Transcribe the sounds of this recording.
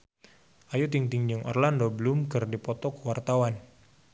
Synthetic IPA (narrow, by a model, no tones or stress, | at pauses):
ʔajut̪iŋt̪iŋd͡ʒuŋʔɔ̰rlandobəlʊmkɨrdipɔt̪ɔkəwart̪awan